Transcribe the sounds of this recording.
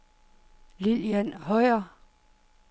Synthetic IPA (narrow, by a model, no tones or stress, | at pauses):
liljænhɒɪɐ